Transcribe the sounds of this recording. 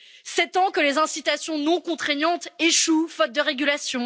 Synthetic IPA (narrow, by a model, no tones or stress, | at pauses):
sɛt̪ɑ̃kəlezɛ̃sit̪asjɔ̃nɔ̃kɔ̃t̪χɛɲɑ̃t̪eʃufɔt̪̚d̪əʁeɡʲylasjɔ̃